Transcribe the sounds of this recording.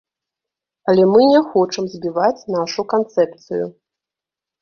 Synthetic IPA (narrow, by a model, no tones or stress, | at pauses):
ɐlʲɛmɨnʲɛxɔt͡ʂɐmzʲbʲivat͡sʲnaʂukant̪sɛp̚t̪sɨjṵ